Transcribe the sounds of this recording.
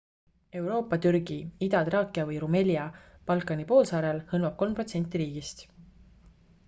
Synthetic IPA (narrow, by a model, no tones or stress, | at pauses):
e̞wɾo̞ːpːˑɑt̪yrɡ̥iid̪̥ɑt̪rɑːkːˑiɑvɤjɾume̞lʲjɑ | pɑlkːˑɑnipo̞ːlsɑːɾelhɤlmɑb̥̚ko̞lmpro̞t̪se̞nt̪ːˑiɾiːɡ̥ist̪